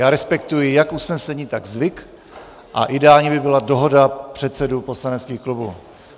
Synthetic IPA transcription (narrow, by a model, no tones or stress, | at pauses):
jaːɾɛspɛk̚t̪ujɪjakʔusnɛsɛɲiːt̪aɡzvɪk | ʔa̰ʔɪdɛaːlɲɛbɪbɪladoɦodapr̝̥ɛt̪sɛdupo̞slanɛtt͡skiːxklubṵ